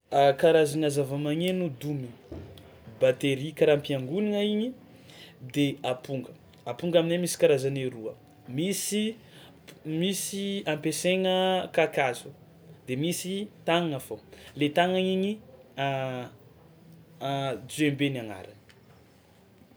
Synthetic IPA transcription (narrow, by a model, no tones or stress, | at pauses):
kaɾazanazavamaŋenud̪umi | bat̪eɾikaɾampiaŋɡuniŋaiɲi | d̪eapuŋɡə | apuŋɡaminemisi̥kaɾazaneɾuə | misi | misiampeseŋəkakazu | d̪̥emisit̪aŋŋafolet̪aŋaiɲia | d͡zembenaŋa̰ɾan